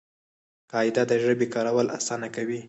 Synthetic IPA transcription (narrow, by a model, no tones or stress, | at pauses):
kɑɪd̪ad̪əʒəbekɑɾawəlʔa̰sɑnakawi